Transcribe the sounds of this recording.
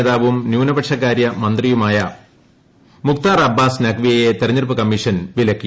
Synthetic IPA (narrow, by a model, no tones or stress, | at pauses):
ðaːʋumnjuːnɐbɐʈʂɐkːaːɾjɐmɐnd̪rijumaːjɐ | mukt̪aːrɐbːaːsnɐkʋijɐjet̪erɐɲːirpɨkɐmːiʂɐnʋilɐkːi